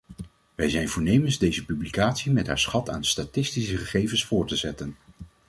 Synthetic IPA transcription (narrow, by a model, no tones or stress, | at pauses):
ʋɛjzɛjnvʊːɹnejmənzdejzəpyblikaːtsimɛtɦa̰ːɹsχɑtʰa̰ːnstatɪstisəχəχejvənsfʊːɹtəzɛtən